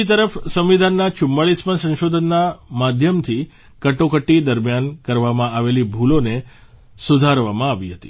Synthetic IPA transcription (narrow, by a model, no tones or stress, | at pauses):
it̪̬əɾəfsəmʋid̪ʱanːat͡ʃʊmːəɭismənsə̃nʃod̪ʱənːamad̪ʱjəmt̪ʰi | kəʈokəʈːid̪əɾmjankəɾʋamãaʋelibʱulone | sud̪ʱaɾʋamãaʋiɦət̪ḭ